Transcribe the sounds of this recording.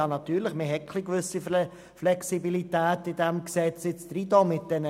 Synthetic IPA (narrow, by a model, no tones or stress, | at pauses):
ɑnɑt̪yːɾləχmɪɦɛkʰlikʋʏsi | flɛksibilitæːtɪdæmksɛt͡sɪt͡sd̪ɾidomɪt̚d̥ɛnə